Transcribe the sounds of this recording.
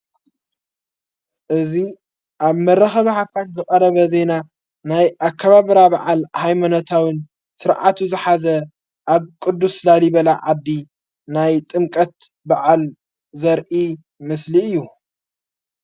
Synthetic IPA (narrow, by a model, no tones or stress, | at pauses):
ʔɨzi | ʔaβmɐɾːɐxɐβħafkʰat̪zɨkʼɐɾɐβɐze̞na | najʔakʰːɐβaβɾabaʕalhajmanot̪ʰawin | sɨɾʕa̰t̪ʰuzɨħazɐ | ʔaβkʼɨd̪ːuslalibɐlaʕad̪ːi | najt̪ʼɨmkʼɐt̪ | baʕal | zɐɾʔi | mɨsliɨjːu